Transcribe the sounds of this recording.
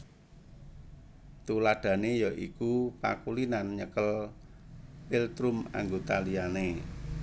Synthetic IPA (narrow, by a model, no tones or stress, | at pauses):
t̪ulaɖ̥a̤nejɔʔḭkupa̰kulinanɲəkəl | pilt̪ɾʊma̰ŋɡot̪aliane